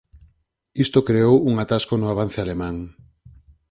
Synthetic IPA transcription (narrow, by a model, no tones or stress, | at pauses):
ist̪okɾeowuŋat̪askonʊaβ̞an̟θealemãŋ